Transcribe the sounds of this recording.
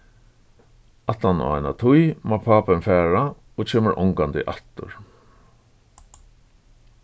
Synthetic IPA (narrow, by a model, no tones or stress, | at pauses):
at̪ana̰ajna̰t̪ʰʊjmapʰaːpɪnfæːɹa | oːt͡ʃʰeːməɾʔɔ̰ŋkant̪ɪ̰ʔat̪ʊ̰ɹ